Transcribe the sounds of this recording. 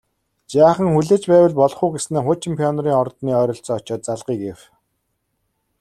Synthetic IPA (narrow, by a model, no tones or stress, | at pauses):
t͡ɕaːχə̆ŋxuɮeːt͡ɕpæːwə̆ɮpɔɮɞ̆χuːɡesneːχʊt͡ɕʰɪ̆mpʰiɔnɔɾiːŋɔrt̪niːœːɾɞ̆ɬt͡sɔːt͡ɕɔːt̪̚t͡saɮʁiːkew